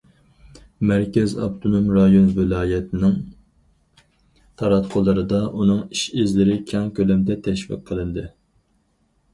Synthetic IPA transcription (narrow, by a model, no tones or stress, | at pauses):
mæɾkʲɛzɑ̰bt̪ʰonomɾɑjonvɪlɑːjɛt̪ʰɪnɪŋ | t̪ʰɑɾɑt̪qʰʊlˠɨɾɨd̪ɑʔunɨŋiʃɪzlɪɾɪkʲʰɑŋkʲʰølɛmd̪ɛt̪ʰɛʃvḭqqʰːəlˠɨnd̪ɨ